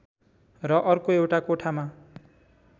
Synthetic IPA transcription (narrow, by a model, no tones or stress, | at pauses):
rʌʔʌrkoewʈakoʈʰama